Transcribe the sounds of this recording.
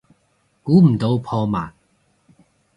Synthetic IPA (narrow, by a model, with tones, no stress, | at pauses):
kuː˨˦m̩˨˩t̪o˨˧wpʰɔː˧ma̰ː˨˩n